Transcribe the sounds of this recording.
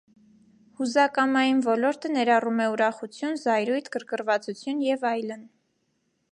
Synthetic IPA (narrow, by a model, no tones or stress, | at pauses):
huzɑkɑmɑjinvɔlɔɾt̪ənɛɾɑrumɛuɾɑχut͡sʰjunzɑjɾujt̪ʰkəɾkəɾvɑt͡sut͡sʰjunjɛvɑjlən